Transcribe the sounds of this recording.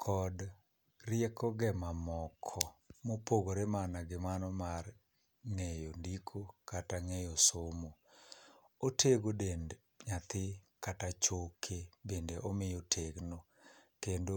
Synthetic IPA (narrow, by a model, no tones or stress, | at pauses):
kʰɔd | rɪɛkɔɡɛmamɔkʰɔmopoɡoɾemanaɡɪmanɔmar | ŋejondikʰokataŋejosomo | otʰeɡodend | ɲat̪ɪkatat͡ʃokʰebendeʔɔmɪjotʰeɡno | kendo